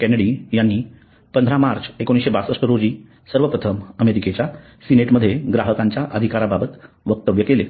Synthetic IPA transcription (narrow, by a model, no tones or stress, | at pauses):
kɛneɽijanːiː | pənd̪ʱɾamaɾt͡ɕekoñisɕebasəʂʈəɾod͡ʑiː | səɾʋəpɾət̪ʰəməmeɾiket͡ɕja | sineʈməd̪ʱːjeɡɾaɦəkaɲt͡ɕjaʔəd̪ʱikaɾababət̪ | ʋək̚t̪əʋjəkele